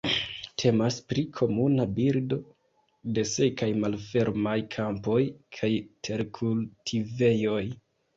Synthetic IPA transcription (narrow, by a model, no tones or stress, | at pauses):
tʰe̞maspɾikʰo̞munabiɾdo̞ | de̞se̞kajmalfe̞ɾmajkʰampo̞jkʰajtʰe̞ɾkʰultʰive̞jo̞j